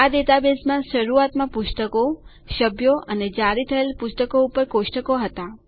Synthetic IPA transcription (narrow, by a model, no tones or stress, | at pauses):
ad̪et̪abesmãʃəɾuat̪mãpʊst̪əko | ʃəbʱjoʔəned͡ʒaɾit̪ʰəelpʊst̪əkoupəɾkʊʃʈəkoɦət̪a